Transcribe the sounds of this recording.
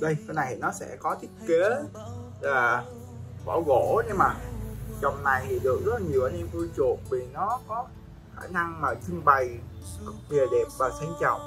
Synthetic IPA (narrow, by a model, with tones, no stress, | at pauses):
ɗə˧jna˨˩jnɔ˨˦sɛ̰˧˥kɔ˨˦t̪ʰï˦˥k̚ke˨˦ | laː˨˩ | ɓɔ̰˧˩ɣo̰˧˨ɗe˧maː˨˩t͡ɕɔ˨˩wŋ͡mna˨˩jt̪ʰi˨˩ɗɨ˨˩ək̚zə˦˥t̚laː˨˩ɲi˨˩əwʔaː˧nɛ˧mvu˧jt͡ɕu˨˩ək̚vi˨˩nɔ˨˦kɔ˨˦ | xaː˧˩na˧ŋmaː˨˩t͡ɕɨ˧ŋɓə˨˩j | ɓi˨˩əɗɛ˨˩p̚vaː˨˩sa˧ŋ̟t͡ɕɔ̰˨wŋ͡m